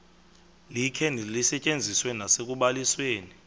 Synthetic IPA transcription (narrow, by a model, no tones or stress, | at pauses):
likʰɛnilisɛt͡ʃʼend͡zʱiswɛnasek̬ʼuɓalisweːni